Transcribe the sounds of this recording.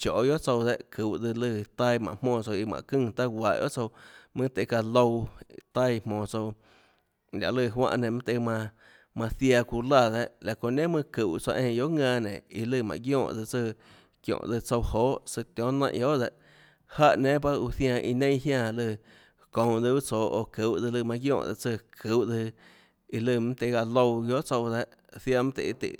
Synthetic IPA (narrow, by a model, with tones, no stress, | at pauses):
t͡ʃo̰˨jo˦ʔt͡so˧wd̪e˧ʔkʰɨ˨wd͡zɨ˧lɨ˧t̪a˦˧mã˨ʔmõː˧t͡so˧i˧mã̰˨kɨ̃˦˧˨t̪a˦wʷa˨ʔjo̰˦ʔt͡so˧mɨ̃˦t̪e˧˨ka˧lo˧wt̪a˦i˧mõː˧˨t͡so˧w | lʲa̰˨lɨ˧˨ɦwã̰˧ʔnẽ˨mã˦t̪e˧mã˧ | mã˧θja˧ku˧la˧˨ðe˧ʔla˨kõ˧˨nẽ˦mɨ̃˦˧kɨ˨wt͡sa̰˧ʔẽ˧˨˧jo˦ʔŋãː˧nḛ̃˨i˧lɨ˧˨mã̰˨ɡjõː˦˧˨ʔd͡zɨ˧t͡sɨ˧ | kjõ̰˨ʔd̪ɨ˧t͡so˧whoː˦ʔsɨ˧t̪jõ˦nã̰˧˨ʔjo˦ʔd̪e˧ʔ | ha˦ʔnẽ˦pa˦u˧θjã˧ʔi˧nẽ˦j̃ɦjã˦˧˨lɨ˧˨ | kõ˨wd̪ɨ˧bt͡soː˨ʔo˧˨kɨ˨wʔd̪ɨ˧lɨ˧mã˧ɡjõ̰ː˦˧˨d̪ɨ˧t͡sɨ˧kʰɨ˨ʔd̪ɨ˧ | i˧lɨ˧mã˦t̪e˧ɡa˧lo˧wɡjo˦ʔt͡so˧wd̪e˧ʔ | θja˧mã˦t̪ḛ˧˨˧t̪ḭ˧˨